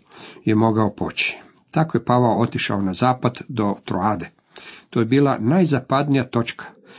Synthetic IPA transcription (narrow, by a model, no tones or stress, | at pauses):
jemo̞ɡao̞pʰo̞̰t͡ɕi̥ | t̪akoje̞paʋaoo̞t̪iʃa̰onazaːpad̪d̪o̞t̪ɾoaːd̪e̞ | t̪ojebiːlˠanajzapad̪nijat̪o̞t͡ʃkʰḁ